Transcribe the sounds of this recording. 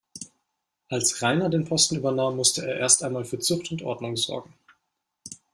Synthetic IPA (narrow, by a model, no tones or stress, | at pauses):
ʔalsʁaɪnɐdeːnpʰɔstn̩yːbɐnaːmːʊstəʔeːɐʔeːɐstʔaɪnmaːlfyːɐt͡sʊxtʊntʔɔ̰ɐdnʊŋzɔ̰ɐɡŋ̩